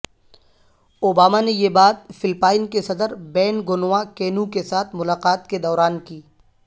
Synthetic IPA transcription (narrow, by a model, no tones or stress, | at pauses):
oːbaːmanejebaːt̪̚fɪlpaːɪnkesɐd̪əɾbɛːnɡʊnwakeːnũkesaːt̪ʰmʊlaːqaːt̪ked̪ɔːɾaːnkiː